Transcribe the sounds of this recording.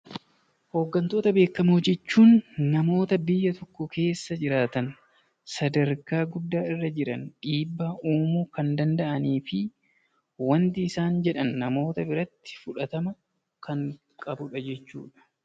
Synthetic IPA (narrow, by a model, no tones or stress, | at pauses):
ho̞ːɡːɐnt̪o̞ːt̪ɐbe̞ːkːɐmʊd͡ʒɛt͡ʃːuːnːɐmo̞ːt̪ɐbɪjːɐt̪ɔkːʊkʰe̞ːsːɐd͡ʒɪɾaːt̪ɐn | sɐd̪ɐɾkaːɡʊd̪ːaːɪrːɐd͡ʒɪɾɐ̰nᶑiːbːaʔuːmuːkɐnd̪ɐnd̪ɐʔɐniːfɪ | wɐnt̪ɪːsaːnd͡ʒɛᶑɐnːɐmo̞ːt̪ɐbɪɾɐt̪ːɪ̥fʊᶑɐt̪ɐmɐ | kɐŋ | kʼɐbʊᶑɐd͡ʒɛt͡ʃːṵːᶑɐ̥